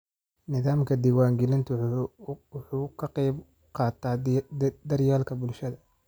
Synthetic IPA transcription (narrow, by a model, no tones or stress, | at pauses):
nɪðaːmkʰɐd̪iːwaːŋɡɛlɪnt̪ʰ | wʊħuːkʰɐqɛjb | qɑːt̪ʰaːd̪ɐrjaːlkʰɐbʊlʃɐðɐ